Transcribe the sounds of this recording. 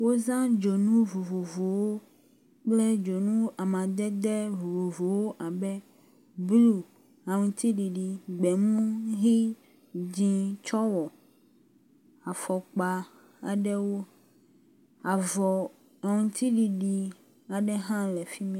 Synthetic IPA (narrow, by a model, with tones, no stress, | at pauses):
wo˦zã˦d͡ʒo˨nũ˦vo˨vo˨vo˨wo˦ | k͡ple˦d͡ʒo˨nũ˦a˨mã˨d̪ɛ˦d̪ɛ˦vo˨vo˨vo˨wo˦ʔa˨bɛ˦ | blu˨ | a˨ŋũ˨t̪i˦ɖi˨ɖi˨ɡ͡bɛ˨mũ˦ɦi˦ | d͡ʑĩ˦t͡ʃɔ˦wɔ˨ | a˨fɔ˨k͡pa˨ | a˨ɖɛ˦wo˦ | a˨vɔ˨ | a˨ŋũ˨t̪ʰi˦ɖi˨ɖi˨ | a˨ɖɛ˦ɦã˦lɛ˨fi˦mĩ˦